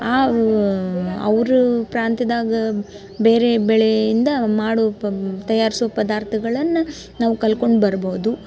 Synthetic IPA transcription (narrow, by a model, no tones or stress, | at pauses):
aː | ɐ̰ʋɾupɾaːnt̪id̪aːɡɐ | beːɾe̞bɛɭejind̪ɐmaːɽut̪ɐjaːɾisuʋɐpɐd̪aːɾt̪ʰɐɡɐɭɐnːu | naːʋukɐlko̞ɳɖbɐɾboːud̪u